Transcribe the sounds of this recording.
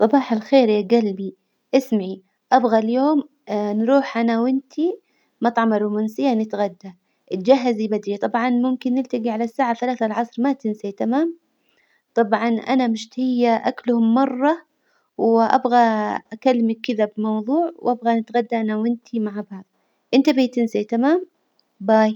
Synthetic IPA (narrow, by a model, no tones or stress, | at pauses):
sˤɑbɑːħalxeːɾjaɡalbi | ʔɪsmaʕi | ʔabɣaljoːm | nɾuːħʔanawɪnt̪ʰi | mɑt̪ˤʕɑmaɾʊmʊnsɪjːanɪt̪ɣad̪ːa | ʔɪt̪d͡ʒaɦːazibad̪ɾit̪ˤɑbʕɑnmʊmkɪnːɪlt̪aɡiʕalasːaːʕaθalaːθalʕɑsˤɾmat̪ɪnsat̪amaːm | t̪ˤɑbʕɑnʔa̰namɪʃt̪hɪjːaʔaklhʊmːɑrˤːɑ | wʔa̰bɣaʔakalːmakːɪðabɪmɑwðˤuːʕwʔabɣanɪt̪ɣad̪ːaʔanawɪnt̪ʰimaʕabaːb̚ | ʔɪnt̪abiːt̪ɪnsat̪amaːm | baːj